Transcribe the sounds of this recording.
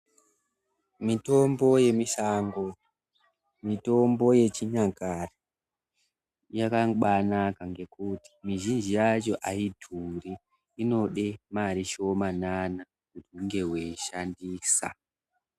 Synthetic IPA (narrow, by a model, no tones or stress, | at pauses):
mito̞mbo̞je̞miʃaŋɡo̞ | mito̞mbo̞je̞t͡ʃiɲakari | jakaŋɓanakaŋɡe̞kuti̥miʒind͡ʒijat͡ʃo̞ʔaidʱuriː | no̞ɗe̞maɾiʃo̞manana | kutiuŋɡe̞weʃandiːsa̰